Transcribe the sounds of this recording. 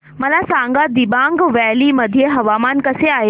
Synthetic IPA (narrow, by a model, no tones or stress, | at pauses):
mɐlasãːŋɡad̪ibãːŋɡʋɛːlimɐd̪ʱijeɦɐʋaːmaːnkɐseaːɦe